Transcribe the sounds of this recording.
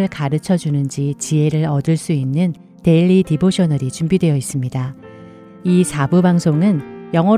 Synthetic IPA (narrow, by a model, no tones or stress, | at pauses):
ɯɭkaɾɯt͡ɕʰʌd͡ʑunɯnd͡ʑit͡ɕie̞ɾɯɾʌdɯɭs͈uinːɯn | te̞ʎːidiboɕʰʌnʌɾit͡ɕumbidwe̞jʌis͈ɯmɲida | isʰabubaŋsʰoŋɯnjʌŋɦʌ